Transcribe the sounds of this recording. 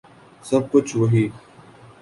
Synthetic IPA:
sɐb̚kʊt͡ʃʰʋɐɦiː

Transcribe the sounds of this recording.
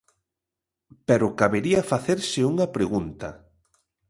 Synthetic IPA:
pɛɾʊkaβeɾiɐfaθeɾsɪuŋɐpɾeɣunt̪ɐ

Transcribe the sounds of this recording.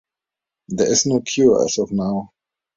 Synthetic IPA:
d̪ɛɪsnokʰjua̰sɔvnaʊ

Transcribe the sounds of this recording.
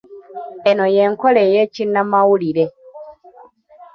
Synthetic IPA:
enojeŋkolejecinːamawuliɾe

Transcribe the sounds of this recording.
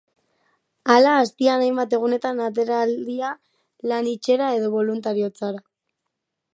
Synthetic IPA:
alaːst̪ianajmbat̪e̞ɣ̞une̞t̪anat̪̬e̞ɾald̪ia | lanit͡ʃe̞ɾae̞ðo̞βo̞lunt̪aɾio̞t͡saɾa

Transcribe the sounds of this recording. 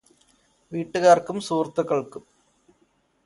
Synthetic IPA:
ʋiːʈːɨɣaːrkumsuːrt̪ːɨkːɐɭkum

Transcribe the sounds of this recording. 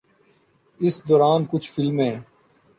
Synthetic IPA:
ɪsd̪ɔːɾaːnkʊt͡ʃʰfɪlmɦẽː

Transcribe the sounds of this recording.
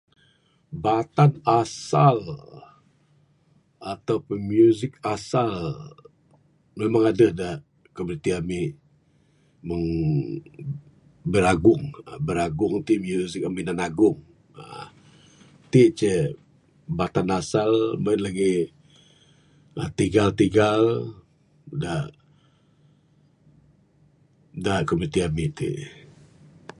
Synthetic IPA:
bat̪anasal | at̪awpʊnmjuzɪk̚asal | memaŋadəhda | kəbəɾit̪iami | məŋ | bəɾaɡʊŋabəɾaɡʊŋt̪imjuzɪk̚aminanaɡʊŋ | a | t̪iʔt͡ʃɛ | bat̪anasalmaɪnlaɡi | at̪iɡalt̪iɡal | da | daʔkəməɾit̪iamiʔt̪ḭʔ

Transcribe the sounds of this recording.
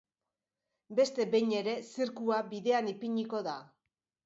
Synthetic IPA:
be̞st̪e̞beɲe̞ɾe̞siɾkuaβiðe̞anipiɲiko̞ða

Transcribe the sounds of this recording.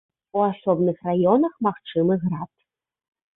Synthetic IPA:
uasɔbnɨxrajɔnɐxmaxt͡ʂɨmɨɣɾat̪̚

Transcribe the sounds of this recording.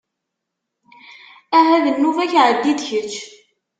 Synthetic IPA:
æɦæðənːuvæçʕəd̪ːid̪çət͡ʃː

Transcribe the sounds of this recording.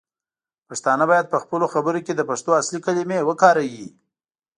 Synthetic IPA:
paʂt̪ɑnəbɑjad̪̚pəxpəloxabəɾoked̪əpaʂt̪oaslikalimewəkɑɾawi

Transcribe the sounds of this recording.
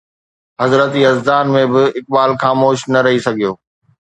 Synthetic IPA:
ɦɐzɾət̪iɦɐzd̪aːnmẽbɪɪk̚baːlxaːmoːʃnɐɾɐɦisɐɡʱijoː

